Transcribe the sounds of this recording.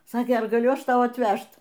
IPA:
ˈsɑːkʲeː ˈɐr ɡɐˈlʲʊ ˈɐʃ ˈtɐʊ ɐtʲˈʋʲæʃt

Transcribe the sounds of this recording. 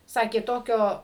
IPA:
ˈsɑːkʲeː ˈtoːkʲoː

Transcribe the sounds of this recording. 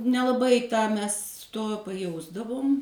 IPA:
nʲɛlˠɐˈbɐɪ ˈtɑː ˈmʲɛs ˈtoː pɐˈjɛʊzdɐʋʊm

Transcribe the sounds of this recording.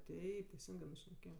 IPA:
ˈtʲɛɪp tʲɛɪˈsʲɪŋɡɜ mʲɛs ʃʲnʲɛˈkʲeːjɛm

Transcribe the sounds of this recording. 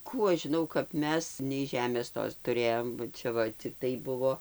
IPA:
ˈkuː ɐʃ ʒʲɪˈnɐʊ kɐp ˈmʲɛs nʲɛɪ ˈʒʲæːmʲeːs ˈtoːs tʊˈrʲeːjoːm bɐ ˈt͡ʃʲɛ ʋɐ t͡sʲɪkˈtɐɪ ˈbʊʋoː

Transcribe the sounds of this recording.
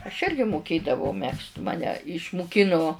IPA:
ɐʃ ˈɪrʲɡʲɪ mʊˈkʲeːdɐʋɐʊ ˈmʲɛkst ˈmɑːnʲɛ ɪʃmʊˈkʲɪnʊ

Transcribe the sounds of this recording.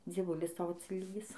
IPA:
d͡zʲiɛˈʋʊlʲɪs ˈtɐʊ ɐtʲsʲɪˈlʲiːɡʲɪs

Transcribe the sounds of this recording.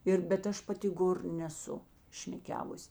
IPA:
ˈɪr bʲɛt ˈɐʃ pɐˈtʲɪ ˈɡoːr nʲɛˈsʊ ˈʃʲmʲæːˈkʲæːʋʊsʲ

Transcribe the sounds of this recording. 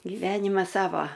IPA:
ɡʲɪˈʋʲæːnʲɪmɐs ˈsɑːʋɐ

